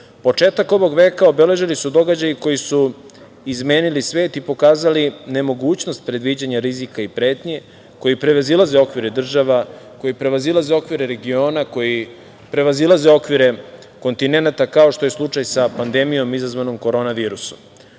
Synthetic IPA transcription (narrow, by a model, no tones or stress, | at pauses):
po̞t͡ʂe̞ːt̪ako̞ʋo̞ɡʋe̞ːkao̞bele̞ʒilisud̪o̞ɡad͡ʑajiko̞jisu | izme̞ːnilisʋe̞ːt̪ipo̞kaːzaline̞mo̞ɡuːt͡ɕno̞st̪̚pɾe̞d̪ʋid͡ʑaɲaɾizikaipɾe̞ːt̪ɲe̞ | ko̞jipɾeʋazilˠazeo̞kʋiɾed̪r̩ʒaʋa | ko̞jipɾe̞ʋazilˠaze̞o̞kʋiɾeɾe̞ɡio̞ːnako̞ji | pɾe̞ʋazilˠazeo̞kʋiɾe̞ | ko̞nt̪ine̞nat̪akao̞ʃt̪o̞je̞slˠut͡ʂajsapand̪e̞mijo̞mizazʋano̞mko̞ɾo̞ːnaʋiːɾusom